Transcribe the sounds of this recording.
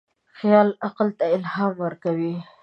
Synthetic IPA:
xjɑlaqlt̪aɪlhɑmwəɾkawi

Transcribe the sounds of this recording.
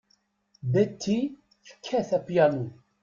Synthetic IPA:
dæt̪ʰːi | θə̥kʰːæθæpjænu

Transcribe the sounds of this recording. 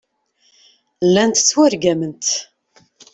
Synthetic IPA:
lːænt̪t͡sːwæɾɡæmənt̪

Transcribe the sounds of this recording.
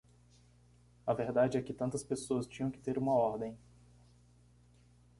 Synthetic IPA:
ɐveɾd̪ad͡ʒɪɛkɪt̪ɐ̃nt̪ɐspesoɐst͡ʃĩɲɐ̃w̃kɪ̥t̪eɾũmɐɔɾd̪ẽj̃

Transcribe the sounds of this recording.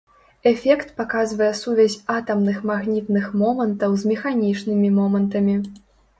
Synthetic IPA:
ɛfʲɛkt̪pakazvɐjɛsuvʲɛzʲat̪ɐmnɨxmaɣnʲit̪nɨxmɔmɐnt̪ɐwzmʲɛxanʲit͡ʂnɨmʲimɔmɐnt̪ɐmʲi

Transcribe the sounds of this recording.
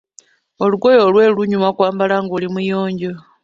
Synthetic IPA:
oluɡojolweːluɲumakwaːmbalaŋɡulimujoːɲɟo

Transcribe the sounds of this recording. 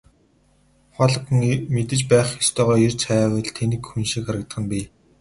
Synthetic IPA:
χɔɮə̆kŋmet̪ɘ̆t͡ɕpæːχxest̪ʰœːʁɔːert͡sʰajwə̆ɮt̪ʰenɘ̆kxunʃikxaɾə̆k̚t̪ə̆χə̆npi

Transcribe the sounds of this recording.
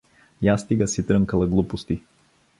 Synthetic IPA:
jast̪iɡəsit̪ɾəŋkəlˠɐɡlˠupost̪i

